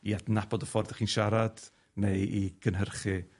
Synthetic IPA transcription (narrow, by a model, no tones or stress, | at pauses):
iadnabɔdəfɔrdəχiːnʃaɾad̥ | nejʔiɡʰənɦərχɨ